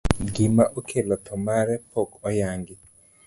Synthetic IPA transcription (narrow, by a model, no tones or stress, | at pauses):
ɡimaʔokʰelɔt̪ʰɔmaɾɛpokɔjaŋɡɪ